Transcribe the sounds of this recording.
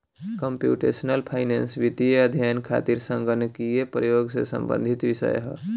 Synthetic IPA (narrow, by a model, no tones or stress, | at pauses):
kəmpjṵʈḛsnəlpʰaɪnensʋit̪ijeəd̪ʱjankʰa̰t̪iɾsəŋɡʱənekijepɾəjoɡsḛsə̰mbə̰̃nd̪ʱit̪ʋisə̰jɦə̰